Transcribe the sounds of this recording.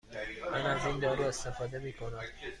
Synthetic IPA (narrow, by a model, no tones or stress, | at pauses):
mænæzind̪ɒːɾue̞st̪e̞fɒːd̪e̞miːkʰo̞næm